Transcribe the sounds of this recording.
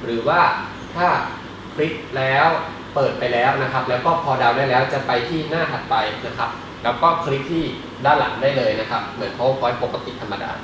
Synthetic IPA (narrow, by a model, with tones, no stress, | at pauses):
ɾɯː˩˦waː˥˩ | t̪ʰaː˥˩ | kʰli˦˥p̚lɛː˦˥w | pɤː˨˩t̪̚pa˧jlɛː˦˥wna˦˥kʰa˦˥p̚lɛː˦˥wkɔː˥˩pʰɔː˧da˧wdaː˥˩jlɛː˦˥wt͡ɕa˨˩pa˧jt̪ʰiː˥˩naː˥˩t̪ʰa˨˩t̪̚pa˧jna˦˥kʰɾa˦˥p̚ | lɛː˦˥wkɔː˥˩kʰɾi˦˥p̚t̪ʰiː˥˩ | daː˥˩wla˩˦ŋdaː˥˩jlɤː˧jna˦˥kʰa˦˥p̚mɯ˩˦ənkʰa˦˥wkʰɔː˨˧˦jpo˨˩kːa˧t̪ḭ˨˩t̪ʰa˧mːa˧da̰ː˧˩